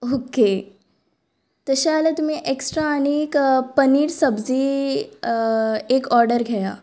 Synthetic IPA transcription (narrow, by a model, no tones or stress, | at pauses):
oːke | t̪ɐʃaːlɐt̪mẽʔeksʈɾanikpɐniːɾsɐbzi | eːkɔːɾɖəɾɡʱɐjaː